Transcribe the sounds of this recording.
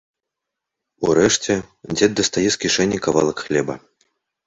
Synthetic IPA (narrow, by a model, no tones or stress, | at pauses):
uɾɛʂt͡sʲɛ | d͡zʲɛd̪̚d̪ɐst̪ajɛskʲiʂɛnʲːikava̰lˠɐkxlʲɛbɐ̰